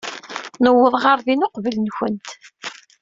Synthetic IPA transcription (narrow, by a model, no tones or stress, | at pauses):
nəwːəðˤʁəɾðinoqvələnçənt̪